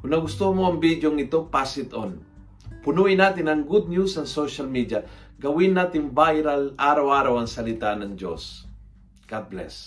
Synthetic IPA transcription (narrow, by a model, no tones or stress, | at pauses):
kʊnːɐɡʊst̪umoɐŋbid̪joŋɪt̪opasɪt̪on | pʊnuʔɪnaːt̪ɪnɐŋɡud̪̚njusɐŋsoʃalmid̪ja | ɡɐwɪnːaːt̪ɪnbajɾalaːɾawaːɾawɐŋsɐlɪt̪anɐŋd͡ʒo̰s | ɡablɛ̰s